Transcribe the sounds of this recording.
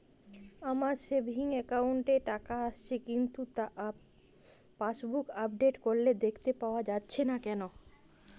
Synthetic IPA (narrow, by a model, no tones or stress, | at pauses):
amaɾʃebʱiŋɛkawɳʈeʈakaaʃt͡ɕʰekint̪ut̪aʔ | paʃbukapɖeʈkoɾled̪ekʰt̪epaoad͡ʑatːɕʰenakɛno